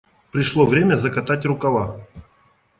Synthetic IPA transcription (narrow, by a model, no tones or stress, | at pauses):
pɾʲɪʂlˠovɾʲemʲəzɐkɐt̪atʲrʊkɐlˠa